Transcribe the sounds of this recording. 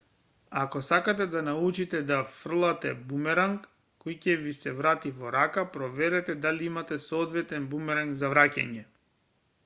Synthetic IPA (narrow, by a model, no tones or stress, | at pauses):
akɔsakat̪ɛd̪anaut͡ʃit̪ɛd̪afr̩lˠat̪ɛbumɛɾaŋkː | ɔjcɛvisɛvɾat̪ivɔɾakapɾɔvɛɾɛt̪ɛd̪aliimat̪ɛsɔɔd̪vɛt̪ɛnbumɛɾaŋɡzavɾaca̰ɲɛ